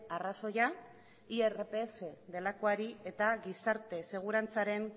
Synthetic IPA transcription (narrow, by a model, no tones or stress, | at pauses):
araso̞ja | ierepe̞fe̞ðe̞lakoaɾie̞t̪aɣisaɾt̪e̞se̞ɣ̞uɾant͡saɾe̞n